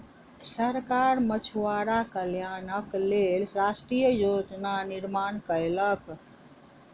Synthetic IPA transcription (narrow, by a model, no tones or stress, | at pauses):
səɾkaɾmət͡ʃʰwaɾakəljaːnəklelɾasʈɾijəjod͡ʒnaniɾmaːnkəjlək